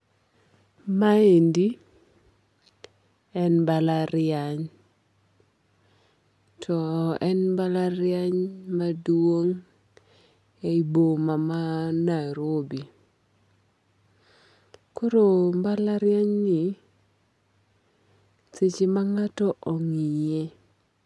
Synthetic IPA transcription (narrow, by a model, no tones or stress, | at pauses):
maendi | ɛnbalaɾɪaɲ | tʰɔɛnbalaɾɪaɲmadwoŋ | eibomamanaɾobi | koɾombalaɾjaɲnɪ | t͡set͡ʃimaŋatɔʔɔŋije